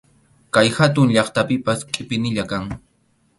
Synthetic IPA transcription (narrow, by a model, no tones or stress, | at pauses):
kajhat̪̬ʊŋʎɑχt̪apɪpaskʼɪpɪnɪʎakaŋ